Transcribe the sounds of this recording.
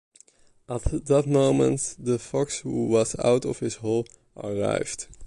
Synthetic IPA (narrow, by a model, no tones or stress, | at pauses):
ʔətdət̚moʊ̃mə̰̃ntdəfɔkshuwʌza̰wtɔ̰fhɪsɦɔlˠ | ʔə̰ɹa̰jv̥d